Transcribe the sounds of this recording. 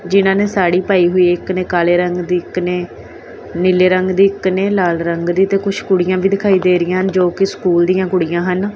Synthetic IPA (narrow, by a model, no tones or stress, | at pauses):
d͡ʒɪnãːneːsaːɽiːpaːiːɦʊiːɪkneːkaːleːɾəŋɡd̪iːkneː | nɪleːɾəŋɡd̪iːkneːlaːlɾəŋɡd̪iːt̪eːkʊt͡ʃʰkʊɽɪjãːbʱiːd̪ɪkʰaːiːd̪eːɾɪjãːɦənd͡ʒoːkɪskuːld̪ijãːkʊɽɪjãːɦən